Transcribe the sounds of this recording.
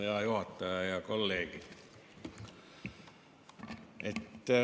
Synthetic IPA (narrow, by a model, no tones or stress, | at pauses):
jɑːjuhɑt̪ːɑjɑjɑkolːeːkit̪ | ʔet̪ːæ